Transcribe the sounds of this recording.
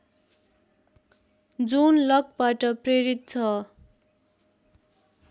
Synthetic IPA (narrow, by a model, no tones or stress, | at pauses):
d͡zunlʌk̚baʈʌpreɾit̪̚t͡sʰʌ